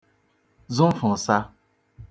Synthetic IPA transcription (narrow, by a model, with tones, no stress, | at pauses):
zʊ˦m̩˦fʊ˨sa˦